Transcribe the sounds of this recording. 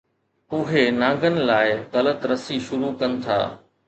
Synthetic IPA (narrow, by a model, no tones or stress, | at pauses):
ʊɦenãːŋɡənɪ̆laːɪɣɐlət̪ɾɐsiʃʊɾukɐnɪ̆t̪ʰa̰ː